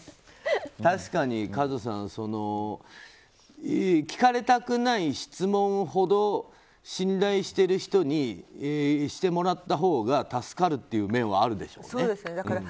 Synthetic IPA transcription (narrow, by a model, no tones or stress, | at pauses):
t̪aɕi̥kaɲ̟ikazos̬ã̰ɰ̃so̞no̞ | ekʲi̥kaɾe̞t̪akɯ̟naiɕi̥t͡sɨmõ̞ɰ̃ɦo̞d̪o̞ | ɕĩnd̪aiɕi̥t̪e̞ɾɯ̟çi̥t̪o̞ɲ̟i | ɕi̥t̪e̞mo̞ɾat̪ːaɦo̞ːɡat̪asɨ̥kaɾɯ̟t̪ːe̞jɯ̟ːmẽ̞ɰ̃βa̰ːɾɯ̟d̪e̞ɕo̞̰ːnoeːd̪esned̪ãã